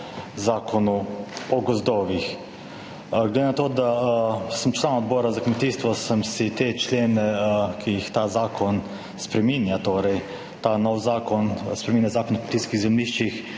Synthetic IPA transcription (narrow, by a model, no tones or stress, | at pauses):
zaːkʰɔnuɔɡɔzd̪ɔːʋix | ɡled̪enat̪oːd̪asəmt͡ʃlanaɔd̪bɔːɾazakmɛt̪iːst̪ʋɔsəmsit̪et͡ʃlʲeːnɛkʰijixt̪aːzaːkʰɔn | spɾɛmiːnjat̪oːɾɛj | t̪aːnɔwzaːkɔnspɾɛmiːnjazaːkonɔkmet̪iːskiɣzɛlniːʃt͡ʃix